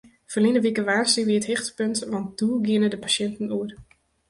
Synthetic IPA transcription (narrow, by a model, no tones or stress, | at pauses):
fərlinəʋikəʋaːstiʋiəəthɪxtəpøntʋɑnt̚d̥uɡɪənədəpasɛntn̩uər